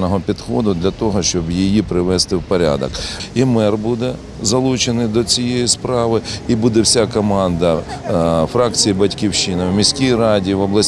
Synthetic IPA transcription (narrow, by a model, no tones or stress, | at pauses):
nɔɦɔpʲid̪xɔd̪ʊd̪lʲɐt̪ɔɦɔʃt͡ʃɔbjijipɾɪʋɛst̪ɪwpɔɾʲa̰d̪ɐ̰kimɛrbud̪ɛ | zɐlˠut͡ʃenɪd̪ɔt͡sʲijejispɾɑʋɪibud̪ɛwsʲakɔmɑnd̪ɐ | fɾɑkt͡sʲijibɐtʲkʲiwʃinɐwmʲisʲkʲijɾɑdʲiʋɔblˠɐsʲ